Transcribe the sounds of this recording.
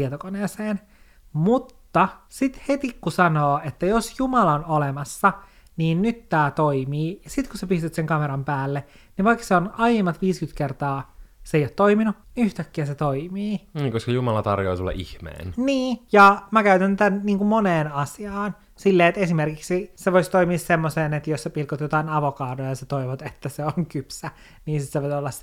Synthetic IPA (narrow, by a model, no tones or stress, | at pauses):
t̪iet̪okoneːseːn | mut̪ːɑsit̪het̪ikːusɑnoːet̪ːæjosjumɑlɑonolemɑsːɑ | niːnnyt̪tːæːt̪oimiːjɑsit̪kusepist̪yt̪seŋkɑmeɾɑmpæːlːeniʋɑikːseonɑjemːɑt̪ʋiːskyt̪kert̪ɑːseijot̪toiminuniyht̪ækːiæset̪oimiːniːkoskɑjumɑlɑt̪ɑrjoisulːɑ̰ʔḭhmḛːnniːjɑmækæyt̪ænt̪ænniːŋkummoneːnɑsiɑːn | silːeːet̪esimerkiksiseʋoist̪oimiːssemːoseːnet̪josepilkot̪jot̪ɑinɑʋokɑːdojɑjɑset̪oiʋot̪et̪ːæseoŋkypsæ | niːnsit̪seʋot̪olːɑs